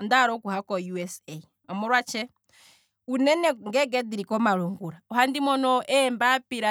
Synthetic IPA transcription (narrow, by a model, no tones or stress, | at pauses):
ɔndaɾɔkuhakɔjuɛsɛ | ɔmɔɾwat͡ʃɛ | unɛnɛŋɡɛɡɛdiɾikɔmalɔŋɡuɾaɔɦandimɔnɔʔɛmbapiɾa